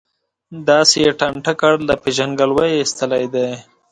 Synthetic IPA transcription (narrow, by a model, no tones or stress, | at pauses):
d̪ɑsejeʈaɳʈakaɽlapeʒaŋɡalwajɪst̪əlajd̪aj